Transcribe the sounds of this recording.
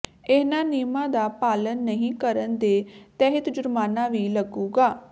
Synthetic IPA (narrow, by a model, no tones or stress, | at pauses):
ɪnãːniːmãːd̪aːpaːlənːəɦĩːkəɾənd̪eːt̪ɛːɦət̪d͡ʒʊɾmaːnãːʋiːləɡuːɡaː